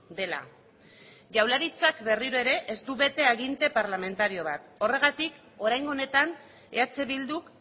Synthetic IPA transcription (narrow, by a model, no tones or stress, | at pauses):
d̪e̞la̰ | ʝawlaɾit͡sakbe̞riɾue̞ɾe̞ʔest̪uβe̞t̪e̞aɣint̪e̞paɾlame̞nt̪aɾio̞β̞at̪o̞re̞ɣ̞at̪ik | o̞ɾajŋɡo̞ne̞t̪an | e̞at͡se̞βild̪uk